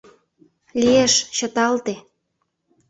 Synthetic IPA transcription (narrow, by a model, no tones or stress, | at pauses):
lʲieʃt͡ɕə̆t̪ɑlt̪e